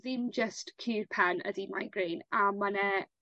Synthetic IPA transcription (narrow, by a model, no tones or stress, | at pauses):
ðɪmd͡ʒəstkʰiːrpʰɛnə̰dima̰jɡreːnamanɛ